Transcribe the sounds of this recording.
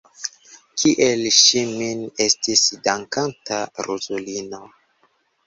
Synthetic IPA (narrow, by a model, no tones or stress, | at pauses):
kʰiʔelʃimine̞stisdaŋkantaɾuzolino